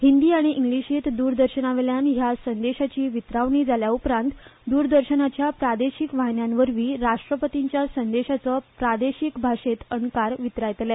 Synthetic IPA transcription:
hind̪iːaɽ̃iʔiŋɡɭiɕiːt̪d̪uːɾd̪əɾɕənaʋeljanɦjasənd̪eɕat͡ɕiːʋit̪ɾaʋɳiːd͡zaljaupɾãnt̪d̪uːɾd̪əɾɕənat͡ɕjapɾad̪eɕikʋaɦnjanʋəɾʋiːɾaʂʈɾəpət̪iɲt͡ɕjasənd̪eɕat͡səpɾad̪eɕikbʱaʂet̪ənkaɾʋit̪ɾajt̪lɛ

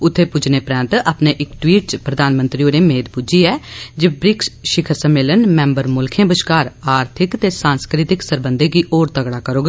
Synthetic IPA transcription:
ʊt̪ʰːeːpʊd͡ʒneːpɾɛ̃ːnt̪aːpneːʔɪkʈwiːʈ̚t͡ʃpɾəd̪aːnmə̃nt̪ɾiːoːɾeːmeːd̪pʊd͡ʒiːɛːd͡ʒebɾɪksʃɪkʰəɾsəmːeːlənmɛ̃ːmbəɾmʊlkʰẽːbəʃkaːɾaːɾt̪ʰɪkt̪eːsãːnskɾɪt̪ɪksəɾbənd̪eːkiːʔoːɾt̪əɡɽaːkəɾoːɡa

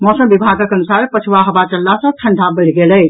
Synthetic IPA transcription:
mɔsəmbibʱaɡəkənusaɾpət͡ʃʰwaɦəbat͡ʃəlːasə̃ʈʰəɳɖʱabəlɡelə

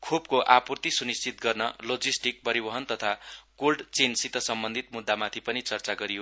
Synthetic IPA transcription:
kʰopkoʔapurt̪isunist͡sit̪̚ɡʌrnʌlod͡zisʈik̚pʌɾibʌɦʌnt̪ʌt̪ʰakolɖt͡sensit̪ʌsʌmbʌnd̪ʱit̪̚mud̪ʱːamat̪ʰipʌnit͡sʌrt͡saɡʌɾijo

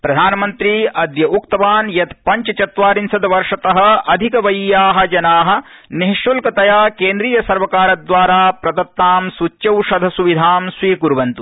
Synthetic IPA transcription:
pɾɐd̪ʱaːnɐmɐnt̪ɾiʔɐd̪jɐʔukt̪ɐʋaːnjɐt̪pɐɲt͡ʃɐt͡ʃɐt̪ʋaːɾinsɐd̪ɐʋɐɾʂɐt̪ɐɦɐ̆ɐd̪ʱikɐʋɐjjaːɦɐ̆d͡ʒɐnaːɦɐ̆niɦiʃjulkɐt̪ɐjaːkeːnd̪ɾiːjɐsɐɾʋɐkaːɾɐd̪ʋaːɾaːpɾɐd̪ɐt̪naːmsut͡ʃːjɐwʂɐd̪ʱɐsuʋid̪ʱaːmsʋiːkuɾʋɐnt̪u

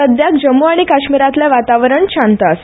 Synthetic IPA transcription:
əd̪jakd͡ʑəmːuaɽ̃ikaɕmiɾat̪laʋat̪aʋəɾəɳɕant̪as

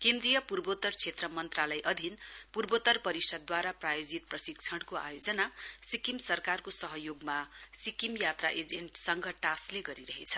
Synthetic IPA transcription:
kend̪rijʌpurbot̪ʌrt͡sʰet̪rʌmʌnt̪ralʌjʔʌd̪ʱinpurbot̪ʌrpʌɾisʌd̪̚ːwaɾaprajod͡zit̪̚prʌsik̚t͡sʰʌɽkoa̰jod͡zʌnasikimsʌrkarkosʌɦʌjoɡmasikimjat̪ra̰ʔed͡zeɳʈsʌŋɡʱʌʈasleɡʌɾiɾʌɦḛt͡sʰʌ̥

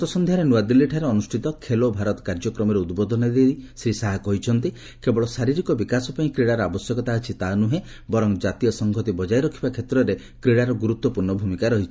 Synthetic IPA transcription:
t̪ɔsɔnd̪ʱjaɾenuwad̪ilːiʈʰaɾeɔnusʈʰit̪ɔkʰelobʱaɾɔt̪ɔ̥kaɾd͡ʒɔkɾɔmɔɾeud̪bɔd̪ʱɔnɔɾesɾisaɦakɔɦit͡ʃʰɔnt̪i | kebɔɭɔsaɾiɾikɔbikasɔpaĩkɾeɽaɾɔabɔsjɔkɔt̪aɦat͡ʃʰit̪anuɦe | bɔɾɔŋd͡ʒat̪ijɔsɔŋɡʱɔt̪ibɔd͡ʒaiɾɔkʰibakʰet̪ɾɔɾe | kɾeɽaɾɔɡuɾut̪wɔpuɾɳɔbʱumikaɾɔɦit͡ʃʰi̥

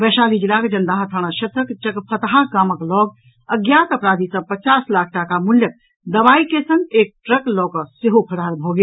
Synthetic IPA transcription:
bɛʃaːlid͡ʒilakd͡ʒənd̪aɦt̪ʰəɽ̃aʃɐt̪ɾəkt͡ʃəkpʰət̪ɦakaːməklɔɡ | əɡjat̪əpɾad̪isə̃pət͡ʃaslaːk̚ʰʈakamuljək̚ | d̪əʋaikesə̃ŋɡek̚ʈɾəklɔːkəseɦopʰəɽalbʱɔɡe

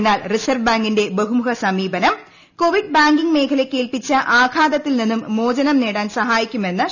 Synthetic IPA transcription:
nːaːlrisɐrʋbaːŋɡinde̞beɦumuɦɐsɐmiːbɐnɐm | ko̞ʋiɖ̚baːŋɡiŋɡme̞ːkʰɐlekːe̞ːlpit͡ɕːɐʔaːɡʰʱaːd̪ɐt̪ːilninːumːo̞ːd͡ʑɐnɐmneːɽaːnsɐɦaːjikʲːume̞nːɨ

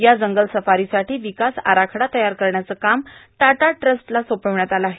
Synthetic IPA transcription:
jad͡zəŋɡəlsəfaɾisaʈiːʋikasa̰ɾakʰɽat̪əjaɾkəɾɳjat͡səːkamʈ̪aʈaʈɾəsʈlasopəʋɳjat̪alaɦe

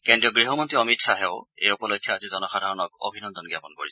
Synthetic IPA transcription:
kendɹiɔɡɹiɦɔmɔntɹiɔmitsaɦɛʊḛjupɔlokʰːjɔazizɔnɔxadʱaɹɔnɔko̰bʱinɔnd̪ɔnɡjapɔnko̰ɹis

